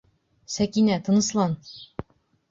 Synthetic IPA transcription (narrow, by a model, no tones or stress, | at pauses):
sækinæt̪ɤ̆nɤ̆slˠɑn